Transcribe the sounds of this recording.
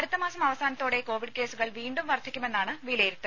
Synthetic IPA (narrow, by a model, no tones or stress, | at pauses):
ɐɾut̪ːɐmaːsɐmɐʋɐsaːnɐt̪ːoːɽe̞ko̞ːʋiɖke̞ːsuɣɐɭʋiːɳɖumʋɐrd̪ʱikʲːume̞nːaːɳɨʋilɐjiɾut̪ːɐ